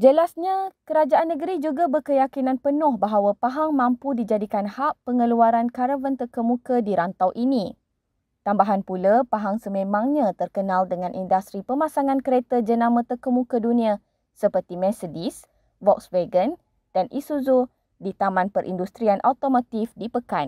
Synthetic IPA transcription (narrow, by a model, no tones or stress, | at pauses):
d͡ʒəlasɲakəɾad͡ʒaʔanːə̃ɡəɾid͡ʒuɡabərkəjakinãnpənɔ̃hbaɦawapaɦaŋmãmpudid͡ʒadikanhaʔpəŋəluaɾankaɾəvənt̪ərkəmũkədiɾant̪awʔinĩ | t̪ambaɦanpulapaɦaŋsəmẽmãŋɲãt̪ərkənãldəŋãnʔindast̪ɾipəmãsaŋãnkəɾet̪əd͡ʒənãmə̃t̪əkəmũkədunĩa | səpərt̪imɛ̃sədis | vɔk̚sweɡən | d̥anʔisuzu | dit̪amãnpəɾʔḭndust̪ɾianʔawt̪omot̪ifdipəkan